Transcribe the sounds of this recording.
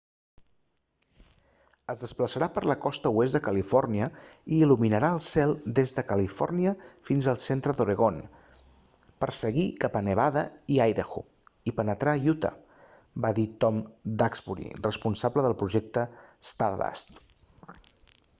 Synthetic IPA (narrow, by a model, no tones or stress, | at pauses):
əzðəspləsəɾapəɾləkɔst̪əwezd̪əkəlifɔrniəiːluminəɾaəlˠsɛlˠd̪ezðəkəlifɔ̰rniəfinzəlˠsent̪ɾəðuɾəɣon | pəɾsəɣikapənəβaðəiajðəxṵ | ipənət̪ɾajut̪ə̰ | baðit̪ɔmd̪akzpuɾḭrəspunsabləðəlˠpɾuʒɛk̚t̪əst̪aɾða̰st̪